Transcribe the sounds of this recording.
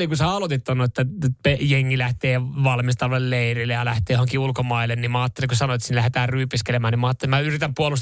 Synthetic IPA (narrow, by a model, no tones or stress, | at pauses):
likusɑlot̪it̪ːonːoet̪ːæpejeŋːilæht̪eːʋɑlmist̪ɑloelleirilːejɑlæht̪eːjohoŋkiulkomɑilːennimɑːt̪ːelikusɑnoet̪ːsinlæhet̪æːrryːpiskelemæːnimɑːt̪ːelemmæyrit̪æmpuolus